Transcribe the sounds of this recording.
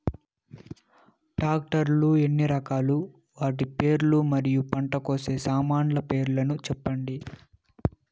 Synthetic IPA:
ʈaːk̚ʈɐɾlue̞nːiɾɐkaːlu | ʋaːʈipe̞ːɾulumɐɾijupɐɳʈɐko̞ːse̞ːsaːmaːɳlɐpe̞ːɾulɐnut͡ʃɛpːɐɳɖi

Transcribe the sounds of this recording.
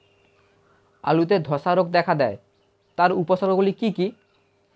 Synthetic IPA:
a̰lut̪ed̪ʱɔʃaɾok̚d̪ɛkʰad̪ɛe | t̪aɾuposaɾoɡulikiki

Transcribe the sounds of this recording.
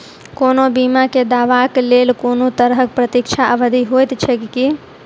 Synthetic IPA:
koːnobimaked̪aːʋaklelkoːnot̪əɾəɦək̚pɾət̪ikt͡ʃʰaʔəʋəd̪ʱiɦojt̪t͡ʃʰɛkki

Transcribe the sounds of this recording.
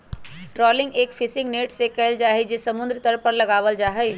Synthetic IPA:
ʈɾɔlɪŋɡeːkpʰisɪŋɡneʈsekəɪld͡ʒaːɦɛd͡ʒesəmund̪ɾt̪əɾpəɾləɡaːʋəld͡ʒaːɦəj

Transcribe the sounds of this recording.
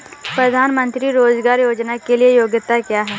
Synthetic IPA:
pɾəd̪ʱaːnmə̃nt̪ɾiɾoːd͡ʒɡaːɾjoːd͡ʒnakeliejoːɡjɪt̪ːakjaːɦɛː

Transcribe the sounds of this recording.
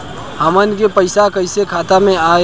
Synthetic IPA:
həmənkepəɪsakəjsekʰat̪ameae

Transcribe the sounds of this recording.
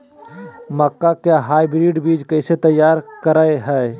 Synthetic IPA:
məkːakeɦaːibɾiːɖbiːd͡ʒkɐɪset̪ɐjːaːɾkɐɾaːeɦɛː

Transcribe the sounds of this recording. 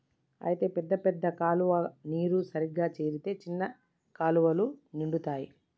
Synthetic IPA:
ɐ̰jit̪e̞ːpɛd̪ːɐpɛd̪ːɐkaːluʋɐniːɾusɐɾiɡːaːt͡ʃe̞ːɾit̪e̞ːt͡ʃinːɐ | kaːluʋɐluniɳɖut̪aːji

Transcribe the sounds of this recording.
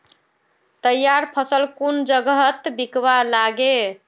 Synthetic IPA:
t̪əjːaɾpʰəsəlkund͡ʒəɡɦət̪bikbalaɡe

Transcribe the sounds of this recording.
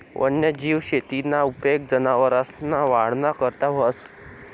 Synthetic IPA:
ʋʔə̰njəd͡ʑiːʋɕet̪inaupek̚d͡zənaʋəɾasnaʋaɽnakəɾt̪aʋəs

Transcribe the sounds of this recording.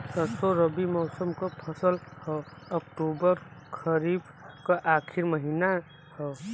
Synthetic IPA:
səsoɾəbimɔːsəmkəpʰəsəlhɔəkʈobəɾkʰəɾib | kaʔakʰiɾməɦina | hɔ

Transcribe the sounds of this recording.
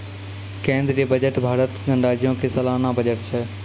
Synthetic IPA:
kẽːnd̪ɾd͡ʑeːbəd͡ʒəʈbʱaːɾət̪ɡə̃ɳɖaːd͡ʑijõkʰesɐlaːnãbəd͡ʒəʈt͡ʃʰɛ

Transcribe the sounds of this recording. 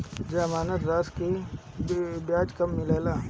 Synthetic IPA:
d͡ʒəmaːnət̪ɾaːske | bjaːd͡ʒkɐmːɪleːlaː

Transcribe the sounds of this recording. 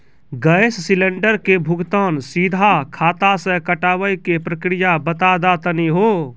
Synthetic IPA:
ɡəjssiləɳɖəɾkebʱuɡt̪ənsid̪ʱakʰat̪asə̃kəʈaʋəjkepɾəkɾijabət̪ad̪at̪əniɦo

